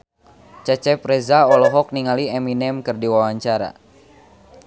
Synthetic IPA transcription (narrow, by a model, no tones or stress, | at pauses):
t͡ʃɛt͡ʃɛpɾɛzaɔlɔɦɔk̚niŋaliɛminɛmkɨrdiwawaɲt͡ʃaɾa̰